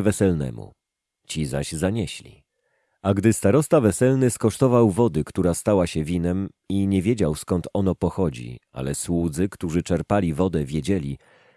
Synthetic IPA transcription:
vɛsɛlnɛ̰mṵ | t͡ɕiza̰ʑzaɲɛɕlʲḭ | aɡd̪ɘst̪aɾɔst̪avɛsɛlnɘskɔʂt̪ɔvawvɔd̪ɘkt̪uɾast̪awaɕɛvʲinɛm | iɲɛvʲjed͡ʑawskɔnt̪ɔnɔpɔxɔd͡ʑḭa̰lɛswud̪zɘkt̪uʐɘt͡ʂɛɾpalʲivɔd̪ɛvʲjed͡ʑɛlʲi

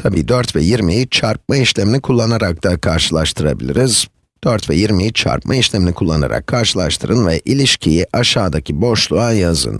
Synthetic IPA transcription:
t̪ʰabiːd̪øɾt̪vɛjiɾmijt͡ʃʰaɾp̚maiʃlʲeminʲikʰulˠːanaɾak̚t̪akʰaɾʃɯlˠaʃt̪ʰɯɾa̰bḭlʲiɾiz̥ | d̪̥øɾt̪vɛjiɾmit͡ʃʰa̰ɾpmʔaiʃlʲɛminikʰulˠːa̰na̰ɾa̰kkʰːaɾʃɯlˠaʃt̪ʰɯɾɯnvɛʔilʲiʃcʰijiʔaʃaːd̪acʰibo̞ʃlˠuajazɯ̰n

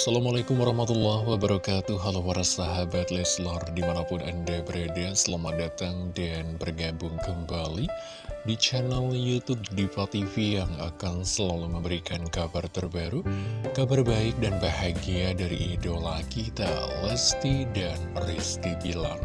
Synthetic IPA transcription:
asalamalakʊmwaɾɑhmat̪ulːɔhwabaɾakat̪uɦalawaɾasaɦabat̪̚lɛslɔrdimanapʊnandabəɾadasəlamat̪̚dat̪aŋdanbərɡabʊŋkəmbali | dit͡ʃanaljut̪ʊb̚dipat̪ifijaŋakansəlaluməmbəɾikankabart̪ərbaɾukabarbaɪk̚danbahaɡiadaɾḭʔːdolakit̪a̰lɛst̪idanrist̪ibila̰n

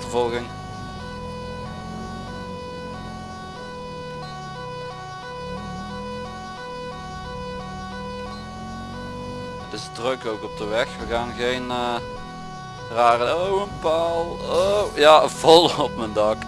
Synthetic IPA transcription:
təvɔlˠɣɪŋ | tɪsdrøkowkɔp̚dəʋɛxʋəɣaːnɣejnː | raːrənowənpalˠojav̥ɔlˠɔp̚məndɑk

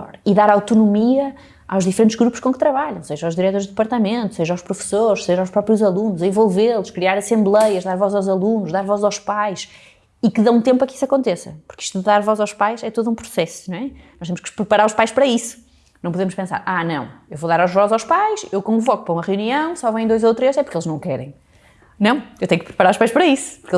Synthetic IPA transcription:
ɔ̰ɾiðaɾawt̪unumiɐ | a̰wʒðifɨɾẽnt̪ʒɣɾupu̥ʃkõkɨt̪ɾɐβaʎɐ̃w̃seʒawʒðiɾɛt̪oɾʒðɨpɐɾt̪ɐmẽnt̪u̥seʒawʃpɾufɨ̥soɾʃseʒawʃpɾɔpɾjuzɐlˠunuzẽvolˠvelˠuʃkɾiaɾɐsẽmblˠɛjɐʒðaɾvɔzawzɐlˠunuʒðaɾvɔzawʃpajʃ | ikɨðɐ̃ũt̪ẽmpɐki̥sɐkõnt̪esɐ̰puɾki̥ʃt̪uðɨðaɾvɔzawʃpajʃɛt̪oðũpɾusɛsuñɛnɔʃt̪emʃkpɾɨpɐɾaɾuʃpajʃpɐɾɐisu̥ | nɐ̃w̃puðemʊʃpẽsa̰ɾʔanɐ̰̃w̃ewvoðaɾaʒvɔzzawʃpajʃewkõvɔku̥pɐɾɐumɐʁjuniɐ̃w̃sɔvɐ̃j̃d̪ojzowt̪ɾeʃɛpuɾkelˠznɐ̃w̃kɛɾɐ̰̃j̃ | nɐ̃w̃ewt̪ẽɲũk̚pɾɨpɐɾaɾuʃpajʃpɐɾɐisu̥puɾke

